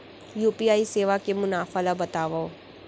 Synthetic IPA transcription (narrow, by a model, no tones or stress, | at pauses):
juːpiaːiseːʋakemʊnaːfalabɐt̪aːʋa